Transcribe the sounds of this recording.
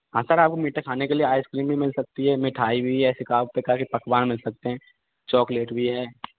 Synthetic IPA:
ɦãːsɐɾaːp̚komiːʈekʰaːnekelieaːɪskɾiːmbʱimɪlsɐk̚t̪iɦɛːmɪʈʰaːibʱiɛːsekaːbpekaːkipɐkʋaːnmɪlsɐk̚t̪eɦɛ̃ː | t͡ʃɔːkleːʈbʱiɦɛː

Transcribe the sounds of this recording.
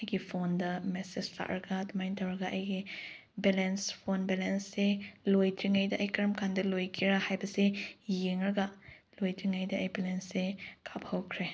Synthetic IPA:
ɐjɡipʰondɐmesestʰa̰ʔɾɡadimajntʰawɐɡaʔɐjɡi | belenspʰonbelensːelojtʰɾiŋajdɐʔɐjkɐɾɐmkʰandɐlojkʰiɾahajbɐsejeŋɐɾɡalojtiŋajdɐʔːjbɛlensːekʰaphɐwkʰɾe

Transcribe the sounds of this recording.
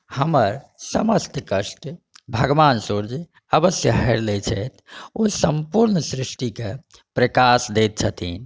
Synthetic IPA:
həməɾsəməst̪kəʃʈ | bʱəɡʋaːnsuɾd͡ʒ | əbəsjəɦɛɾlet͡ʃʰɛt̪ʰosəmpuɾnəsɾisʈike | pɾekasd̪et̪̚t͡ʃʰət̪ʰin

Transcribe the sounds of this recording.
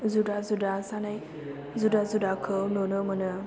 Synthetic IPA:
zudazudasanaj | zudazudakʰəwnonəmənə

